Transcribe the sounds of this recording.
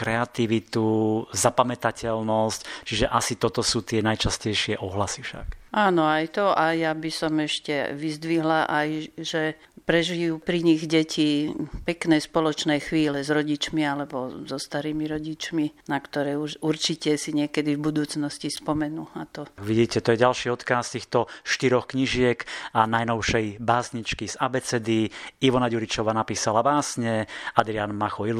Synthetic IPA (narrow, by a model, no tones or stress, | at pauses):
kɾɛat̪iʋit̪uzapamɛt̪acɛlnɔsct͡ʃiʒɛʔasit̪ɔt̪ɔsuːt̪ɪɛnajt͡ʃascɛjʃɪɛʔɔɦlasifʃa̰kʔaːnɔajt̪ɔʔajabisɔmɛʃcɛ̰ʋizd̪ʋiɦlaʔajʒɛ | pɾɛʒijuːpɾiɲiɣɟɛcʰipɛknɛːspɔlɔt͡ʃnɛːxʋiːlɛzɾɔɟit͡ʃmialɛbɔzɔst̪aɾiːmiɾɔɟit͡ʃminakt̪ɔɾɛːuʃuɾt͡ʃicɛsiɲɪɛkɛd̪ivbud̪uːt͡snɔscispɔmɛnuːat̪ɔʋiɟiːcɛt̪ɔjɛɟalʃiːɔt̪kast̪iːxt̪ɔʃt̪iɾɔxkɲiʒɪɛkanajnɔʊʃɛjbaːsɲit͡ʃkizabɛt͡sɛd̪iiʋɔnaɟuɾit͡ʃɔʋaːnapiːsalabaːsɲɛad̪ɾianmaxɔil